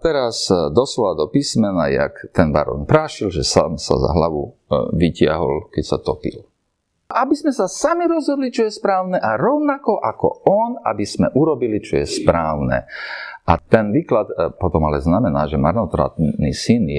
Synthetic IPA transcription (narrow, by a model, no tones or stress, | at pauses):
t̪ɛɾasd̪ɔslɔʋad̪ɔpismɛnaja̰kt̪ɛnba̰ɾɔ̰npɾaːʃilʒɛsaːmsa̰za̰ɦlaʋuʋicɪa̰ɦɔ̰lkɛcsat̪ɔpḭl | ʔabizmɛsasamiɾɔzɦɔd̪lit͡ʃɔjɛspɾaːʊnɛʔaɾɔʊnakɔʔakɔ̰ɔnabiz̥mɛʔuɾɔbilit͡ʃɔjɛspɾaːʊnɛ̰ʔat̪ɛnʋiːklat̪pɔt̪ɔmalɛznamɛnaːʒɛmaɾnɔt̪ɾa̰t̪nisinj